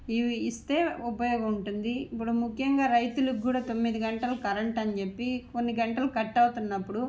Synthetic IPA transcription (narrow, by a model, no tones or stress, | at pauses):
iʋiist̪e̞ːupɐjɔːɡɐmuɳʈund̪ipːuɽumukʰjɐŋɡaːɾɐjt̪ulukɡuːɽaːt̪o̞mːid̪iɡɐɳʈɐlɐkɐɾɐɳʈɐnt͡ʃe̞pːiko̞nːiɡɐɳʈɐlɐkɐʈːɐwt̪unːɐpːuɽu